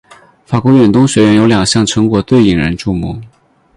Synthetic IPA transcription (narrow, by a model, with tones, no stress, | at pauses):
fa˨˩kwɔ˧˥ɥɛ˨˩nt̪ʊ˥ŋɕɥɛ˧˥ɥɛ˧˥njo˧˥ljɑ˨˩ŋɕjɑ˥˩ŋʈ͡ʂʰɤ˧˥ŋkwɔ˨˧˥t̪we˥˩ɪi˨˩ŋɻə̰˧˥nʈ͡ʂu˥˧mṵ˧˥